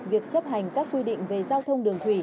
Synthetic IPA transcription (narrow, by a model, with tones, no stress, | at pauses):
vi˨˩ək̚t͡ɕə˦˥p̚ha˨˩jŋ̟kaː˦˥k̚kwi˧ɗḭ˧˨ŋ̟ve˨˩zaː˧wt̪ʰə˧wŋ͡mɗɨ˨˩əŋt̪ʰwi˧˩